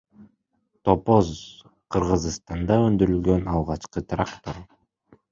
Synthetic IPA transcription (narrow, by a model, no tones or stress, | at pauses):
t̪o̞poz | qʰɯɾʁɯzst̪ɑnd̪ɑønd̪yɾylɡø̞nɑlˠʁɑt͡ʃqɯt̪rakt̪o̞r